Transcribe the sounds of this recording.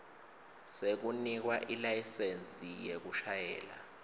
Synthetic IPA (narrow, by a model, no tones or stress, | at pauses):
sek̬unik̬waʔilajisent͡sʼijek̬uʃajɛːla̰